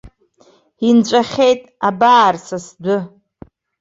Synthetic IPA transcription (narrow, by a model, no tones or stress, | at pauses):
int͡ɕʷʼaχʲe̞jtʼabaːrsasdʷʊ